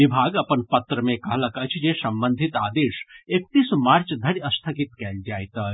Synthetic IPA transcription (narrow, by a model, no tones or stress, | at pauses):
ibʱaɡəpənpət̪ɾəmẽkəɦləkət͡ʃʰd͡ʒesəmbənd̪ʱit̪aːd̪eʃek̚t̪ismaɾt͡ʃd̪ʱəɽəst̪ʰəkit̪kɛld͡ʒajt̪ə